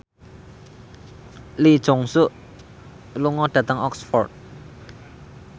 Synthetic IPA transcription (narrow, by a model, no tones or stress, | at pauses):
lid̥ʒ̥ɔ̤ŋsuʔ | luŋɔɖ̥ä̤t̪əŋɔksfɔrt̪̚